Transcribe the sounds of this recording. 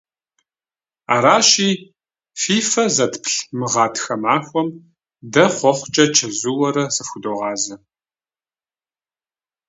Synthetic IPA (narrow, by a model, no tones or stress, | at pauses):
aːɾaːʃiː | fiːfɐzɐtʰpʰɬmɨʁɑːtʰxɐmaːxʷɔm | dɐχʷɔχʷt͡ʃʼɐt͡ʃʰɐzuwɐɾɐsɐfʷʊdoːʁɑːzɐ